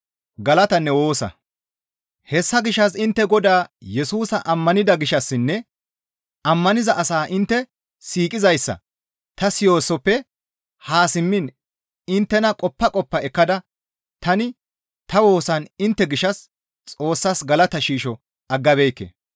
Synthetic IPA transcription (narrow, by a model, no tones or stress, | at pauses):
ɡɐlɐt̪ɐnːɛwo̞ːsɐ̰ | hɛsːɐɡɪʃːɐsɪnt̪ːɛɡɔd̪aːjɛsuːsɐʔɐmːɐnɪd̪ɐɡɪʃɐsːɪnːɛ | ɐmːɐnɪzɐʔɐsaːʔɪnt̪ːɛ | siːkʼɪzɐjsːɐ̰ | t̪ɐsɪjo̞ːsːɔpːɛ | haːsɪmːɪn | ɪnt̪ːɛnɐkʼɔpːɐkʼɔpːɐɛkːɐd̪ɐ | t̪ɐnɪ | t̪ɐwo̞ːsɐnɪnt̪ːɛɡɪʃɐs | t͡sʼo̞ːsːɐsɡɐlɐt̪ɐʃiːʃɔ | ɐɡːɐbɛjkːḛː